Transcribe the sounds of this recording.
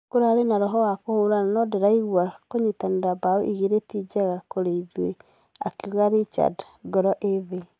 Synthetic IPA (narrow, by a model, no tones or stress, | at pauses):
koɾaɾenaɾɔɦɔwakohoɾananɔdɛɾaiɣwakoɲitaneɾabaoʔiɣiɾetid͡ʒaɣakoɾeiðwe | a̰keuɣaɾit͡ʃa̰d | ɡɔɾɔʔeðe